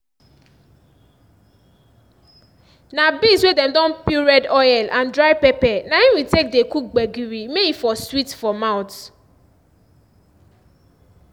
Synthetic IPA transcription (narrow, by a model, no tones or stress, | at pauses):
nabiswedɛmdɔ̃npiɹɛdɔjɛlʔandɾajpepɛnainwitek̚dekuk̚ɡ͡beɡiɾimeifɔswitfɔmaʊt